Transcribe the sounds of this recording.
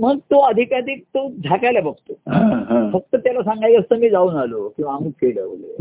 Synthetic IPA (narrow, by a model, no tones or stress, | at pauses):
m̤əɡt̪oəd̪ʱikaɾiːk̚t̪od͡zʱakajlabəɡ̚t̪oɦãɦãfək̚t̪ət̪jalasãŋɡajkəst̪əmiːd͡zauːnalokĩw̃ʋaːmuːfʰeɭləʋlḛ